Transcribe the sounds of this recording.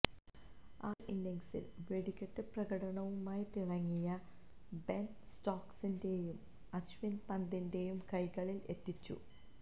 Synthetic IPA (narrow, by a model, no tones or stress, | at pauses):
aːʔindeŋsḭlʋe̞ɽikʲːɐʈːɨprɐɣɐɽɐɳɐʋumaːjit̪iɭɐŋːijɐ | bensʈoːksinde̞jum | ɐɕʋinpɐnd̪inde̞jumkɐjɣɐɭile̞t̪ːit͡ɕːṵ